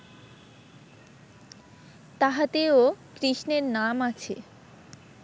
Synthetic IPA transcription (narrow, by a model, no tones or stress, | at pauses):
t̪aɦat̪eokɾiʃneɾnamat͡ɕʰḛ